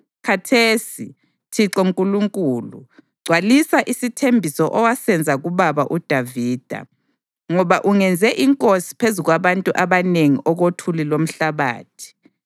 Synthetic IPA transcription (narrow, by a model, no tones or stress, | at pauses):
kʰatʰesḭ | tʰiǁɔŋkʼuluŋkʼuːlṵ | ɡ͡ǀʱwalisaʔisitʰembʱisɔʔɔwasɛnd͡zʱaɣuβaβaʔud̥ʱaviːd̥ʱa̰ | ŋɔβaʔuŋɛnd͡zʱɛʔiŋkʼosi̥pʰezuɣwaβantʼuʔaβaneŋiʔɔɣotʰulilom̩ɬaβa̰ːtʰi̥